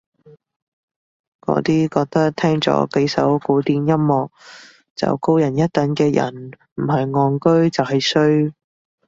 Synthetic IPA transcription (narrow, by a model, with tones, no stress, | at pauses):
kɔ̰ː˨˥t̪iː˥kɔː˧k̚t̪ɐ˥k̚t̪ʰɛː˥ŋt͡sɔ̰ː˨˥ke˨˥jsɐ̰˨˥wkuː˨˥t̪iː˧njɐ˥mmɔː˨k̚ | t͡sɐ̰˨wko˥wjɐ˨˩njɐ˥t̚t̪ɐ˨˥nkɛː˧jɐ̰˨˩n | m̩˨˩ɦɐ˨jŋɔː˨˧nkɵ˥ɥt͡sɐ˨wɦɐ˨jsɵ˥ɥ